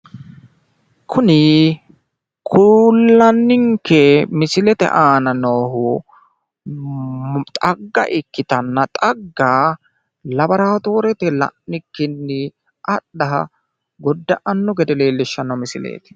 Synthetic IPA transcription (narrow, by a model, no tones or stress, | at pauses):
kʰʊnɪ | kʰʊlːɐnːɪŋkɛmɪsɪlɛt̪ɛ̰ʔaːnɐnɔːɦʊ | t̪ʼɐɡːɐ̰ʔɪkːɪt̪ɐnːɐt̪ʼɐɡːaː | lɐbɐɾaːt̪o̞ːɾɛt̪ɛlɐ̰ʔnɪkːɪnːɪ | ʔɐɗɐɦɐ̰ | ɡɔd̪ːɐʔɐnːɔɡɛd̪ɛle̞ːlːɪʃːɐnːɐwmɪsɪlḛːt̪ɛ̥